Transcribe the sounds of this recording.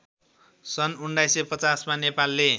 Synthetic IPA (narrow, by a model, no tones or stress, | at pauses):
sʌnunɖajsepʌt͡sasmanepalːe